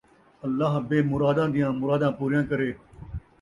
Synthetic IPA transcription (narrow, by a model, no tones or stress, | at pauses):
əlːaːɦbeːmʊɾaːd̪ãːd̪ɪjãːmʊɾaːd̪ãːpuːɾjãːkəɾeː